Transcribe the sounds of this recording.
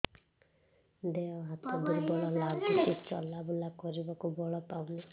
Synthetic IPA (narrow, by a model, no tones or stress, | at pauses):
d̪eɔɦat̪ɔd̪ebɔɭɔlaɡɔit͡ʃɔ̰labulakɔɾibakubɔɭɔpawnɛ